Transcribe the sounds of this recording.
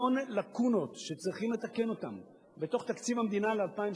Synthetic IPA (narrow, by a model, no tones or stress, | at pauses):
onlakuno̞t̪ʃe̞t͡sʁiχimle̞t̪ake̞no̞t̪am | be̞t̪o̞χt̪akt͡sivhamed̪inalealpaim